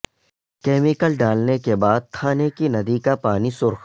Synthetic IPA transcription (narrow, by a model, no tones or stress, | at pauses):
kɛːmɪkəlɖaːlnekebaːd̪̚t̪ʰaːnekinɐd̪ikapaːnisʊɾx